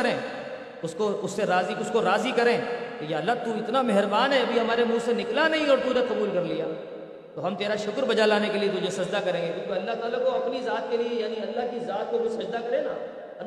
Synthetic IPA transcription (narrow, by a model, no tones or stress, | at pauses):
ɐɾẽː | ʊskoʊsːeɾaːziʊskoɾaːzikɐɾẽːkejaːɐlːat̪uɪt̪namɛɦɾbaːnɦɛɐbʱiɦɐmaːɾemũːsenɪklanɐɦĩɔːɾt̪uneqɐbuːlkɐɾlijaː | t̪oɦɐmt̪eːɾaʃʊkɾbɐd͡ʒalaːnekeliet̪ʊd͡ʒʱesɐd͡ʒd̪akɐɾẽːɡek̪ũːkeɐlːaɦt̪aːlakoɐpnizaːt̪̚keliejaːniɐlːaɦkizaːt̪̚komʊsɐd͡ʒd̪akɐɾẽːnaː | ɐ